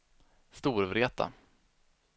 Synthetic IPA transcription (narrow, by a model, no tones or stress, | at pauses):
st̪uːɾvɾeːt̪a̰